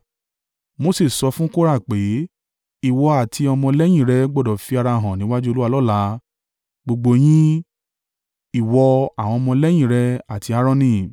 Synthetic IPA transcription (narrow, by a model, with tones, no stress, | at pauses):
mo˦se˦˨sɔ˧˦fũ˦ko˦ɾa˦˨k͡pe˨˦ | i˦˨wɔ˧a˨tʰi˧ɔ˧mɔ̃˧lɛ˦j̃ĩ˦˨ɾɛ˧ɡ͡bɔ˦˨dɔ˨fi˨˦a˧ɾa˧˨ɦã˨nĩ˨˦wa˦d͡ʒu˦o˧lu˦a˧lɔ˦˨la˨˦ | ɡ͡bo˧ɡ͡bo˧j̃ĩ˦ | i˦˨wɔ˧a˨w̃ɔ̃˧ɔ˧mɔ̃˧lɛ˦j̃ĩ˦˨ɾɛ˧a˨tʰi˧˦a˧˦ɾɔ̃˧nĩ˧˨